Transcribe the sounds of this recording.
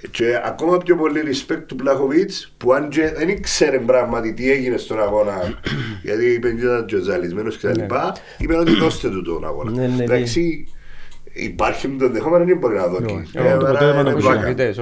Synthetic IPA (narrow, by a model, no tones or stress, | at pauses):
t͡ʃeɐ̰ko̞mɐpçopo̞lːiɾispek̚t̪ːuplɐxovit͡spuɐnd͡ʒeðenikseɾembɾɐɣmɐt̪it̪ieʝinest̪onɐɣo̞nɐʝɐ̰t̪iipeɲɟet̪ɐd͡ʒozɐlizmenoscet̪ɐlipɐ | ipeno̞t̪iko̞st̪et̪ut̪o̰nɐ̰ɣo̰nɐ̰ðaksi | ḭpaɾçimut̪onðexomenɐnimboɾinɐðokḭeɐnaka̰